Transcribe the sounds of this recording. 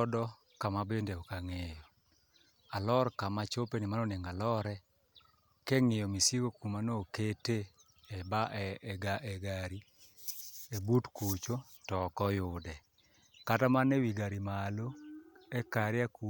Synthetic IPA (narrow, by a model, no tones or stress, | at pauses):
ɔdɔ | kamabendeokaŋejɔ | alɔɾkamat͡ʃopenimanoneŋalɔɾɛ | kɛŋɪjɔmisiɡokumanokete | ɛbaɛɡaɛɡaɾi | ebutkut͡ʃo | tɔkɔjʊdɛ | katamanɛwiɡaɾimaloɛkaɾɪaku